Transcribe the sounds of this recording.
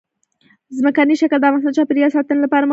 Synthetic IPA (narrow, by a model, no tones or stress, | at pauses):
zmakaniʃakld̪ɑmasnat͡ʃɑpeɾijɑsɑt̪ənlapɑɾam